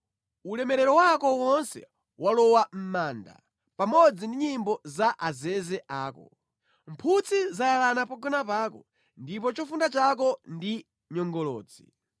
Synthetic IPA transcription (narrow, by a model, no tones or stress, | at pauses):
ulɛmɛɾɛɾɔwakɔwɔnsɛ̰ | walɔwam̩maːnda̰ | pamɔd͡zindiɲimbɔzaʔazɛzɛʔaːkɔ̰ | mpʰut͡sʰizajalanapaɡɔnapaːkɔ | ndip̬ɔt͡ʃɔfundat͡ʃak̬ɔndi | ɲɔŋɡɔlɔ̰ːd͡zi